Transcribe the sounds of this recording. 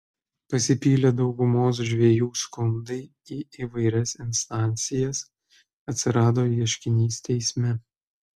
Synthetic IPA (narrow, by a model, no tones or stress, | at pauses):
pɐsʲɪpʲiːlʲed̪ɒʊɡʊmoːs̬ʒʲʋʲiɛjuːskʊnd̪ɐɪ | iːʔiːʋɐɪɾʲɛsɪnʲst̪ɑˑnʲt̪sʲɪjɛs | ɐt̪ʲsʲɪɾɑːd̪oːiɛʃʲkʲɪnʲiːst̪ʲɛɪsʲmʲɛ